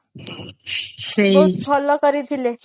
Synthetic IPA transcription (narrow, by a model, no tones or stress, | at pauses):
seopʰɔlːɔkəɾid̪ʱile